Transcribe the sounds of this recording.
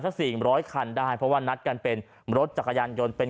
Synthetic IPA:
t̪ʰa˦˥siː˨˩ɾɔː˦˥jkʰa˧ndaː˥˩jpʰɾɔ˦˥waː˥˩na˦˥t̪̚ka˧npe˧n | ɾo˦˥t̪̚t͡ɕa˨˩kʰːa˧jaː˧njo˧npe˧n

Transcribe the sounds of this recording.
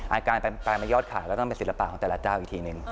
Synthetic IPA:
ʔaː˧kaː˧na˧paː˧jmaː˧jɔː˥˩t̪̚kʰa̰ː˨˩˦wlɛ˦˥t̪ɔ˥˩ŋpe˧nsi˩˦t̚la˧pa˨˩kɔː˨˩˦t̪ɛ˨la˦˥t͡ɕaː˥˩wʔiː˨˩t̪ʰiː˧nɯ˨˩ŋ

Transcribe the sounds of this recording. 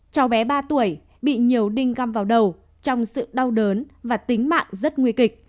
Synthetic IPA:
t͡ɕɔ˨˦wɓɛ˨˦ɓaː˧t̪u˧˩əj | ɓḭ˧˨ɲi˨˩əwɗï˧ŋ̟ɣa˧˩mvaː˨˩wɗə˨˩w | t͡ɕɔ˧wŋ͡msɨ̰˧˨ɗa˧wɗəː˨˦nvaː˨˩t̪ï˨˦ŋ̟ma̰ː˧˨ŋzə˦˥t̚ŋwi˧əkï˨˩k̚

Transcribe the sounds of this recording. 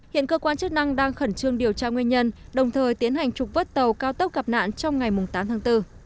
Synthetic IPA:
hḭ˧˨ənkəː˧kwaː˧nt͡ɕə˦˥k̚na˧ŋɗaː˧ŋxə˧˩nt͡ɕɨ˧əŋɗi˨˩əwt͡ɕaː˧ŋwi˧nɲə˧nɗə˨˩wŋ͡mt̪ʰəː˨˩jt̪i˨˦ənha˨˩jŋ̟t͡ɕʊ˨˩k͡p̚və˦˥t̚t̪ə˨˩wkaː˧wt̪ə˦˥p̚ka˨˩p̚na̰ː˧˨nt͡ɕɔ˧wŋ͡mŋa˨˩jmʊ˨˩ŋ͡mt̪aː˨˦mt̪ʰaː˨˦ŋt̪ɨ˧

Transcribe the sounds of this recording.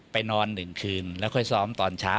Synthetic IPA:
pa˧jnɔː˧nːɯ˨˩ŋkʰɯː˧nlɛ˦˥˩kʰɔː˧˥˩jsɔː˦˥mt̪ɔː˧nt͡ɕʰaː˦˥

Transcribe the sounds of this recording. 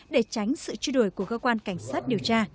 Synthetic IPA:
ɗe˧˩t͡ɕa˨˦jŋ̟sɨ̰˧˨t͡ɕu˧ɗo˧˩jku˧˩əkəː˧kwaː˧nka˧˩jŋ̟saː˦˥t̚ɗi˨˩əwt͡ɕaː˧

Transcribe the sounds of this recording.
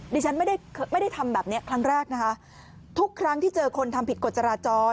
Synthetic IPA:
diː˧t͡ɕʰa˦˥nma˥˩jda˥˩jkʰːma˥˩jda˥˩jt̪ʰa˧mbɛː˨˩p̚ni˦˥ɐkʰɾa˦˥ŋɾɛː˥˩k̚na˦˥kʰa˦˥ | t̪ʰu˦˥kʰːɾa˦˥ŋt̪ʰiː˥˩t͡ɕɤː˧kʰo˧nt̪ʰa˧mpi˨˩ko˨˩t̪̚t͡ɕa˧ɾaː˧t͡ɕɔː˧

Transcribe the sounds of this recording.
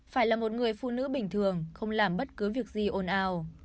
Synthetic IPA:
faː˧˩jlaː˨˩mo˨˩t̚ŋɨ˨˩əjfṵ˧˨nɨ̰˧˥ɓï˨˩ŋ̟t̪ʰɨ˨˩əŋxə˧wŋ͡mlaː˨˩mɓə˦˥t̚kɨ˨˦vi˨˩ək̚zi˨˩ʔo˧nʔaː˧w

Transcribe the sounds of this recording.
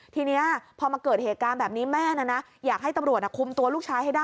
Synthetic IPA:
t̪ʰiː˧ni˦˥ɐpʰɔː˧ma˧kɤː˨˩t̪̚heː˨˩t̪̚kaː˧nbɛː˨˩p̚niː˦˥mɛː˥˩na˧˥na˦˥ | jaː˨˩k̚ɦa˥˩jt̪a˧mɾu˨˩ət̪̚ʔa˧˩kʰu˧mt̪u˧ɐluː˥˩k̚t͡ɕʰaː˦˥jha˥˩jdaː˥˩

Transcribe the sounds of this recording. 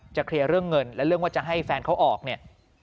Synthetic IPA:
t͡ɕa˨˩kʰɾi˧əɾɯ˥˩əŋːɤ˧nlɛ˦˥ɾɯ˥˩əŋwaː˥˩t͡ɕa˨˩ɦa˥˩jfɛː˧nkʰa˦˥wʔɔː˨˩k̚ni˥˩ɐ

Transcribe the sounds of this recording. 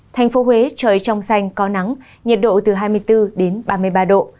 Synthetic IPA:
t̪ʰa˨˩jŋ̟fo˨˦ɦwe˨˦t͡ɕəː˨˩jt͡ɕɔ˧wŋ͡msa˧jŋ̟kɔ˨˦na˨˦ŋ | ɲə˨˩t̚ɗo̰˧˨t̪ɨ˨˩ɦaː˧jmɨ˧əjt̪ɨ˧ɗe˨˦nɓaː˧mɨ˧əjɓaː˧ɗo̰˧˨

